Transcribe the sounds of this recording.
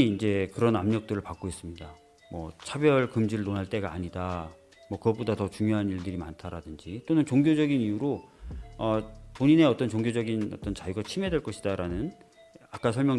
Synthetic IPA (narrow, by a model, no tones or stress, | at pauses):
iːnd͡ʑe̞kɯɾʌnamɲʌk̚t͈ɯɾɯɭpak͈ois͈ɯmɲida | mwʌ̰t͡ɕʰabjʌɭkɯmd͡ʑiɾɯɭnonɦaɭt͈e̞ɡaːɲida | mwʌkɯɡʌbodatʌt͡ɕuŋjoɦaniɭdɯɾimantʰaɾadɯnd͡ʑit͈onɯnt͡ɕoŋɡjod͡ʑʌɡinijuɾo | ʌpoɲine̞ʌt͈ʌnt͡ɕoŋɡjod͡ʑʌɡinʌt͈ʌnt͡ɕajuɡat͡ɕʰimɦe̞dwe̞ɭk͈ʌɕʰidaɾanɯn | ak͈asʰʌɭmjʌ